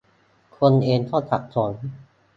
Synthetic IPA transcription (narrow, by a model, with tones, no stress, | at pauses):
kʰo˧nʔeː˧nt̪ʰɔː˥˩t̪sʰa˨˩k̚sʰo˩˦n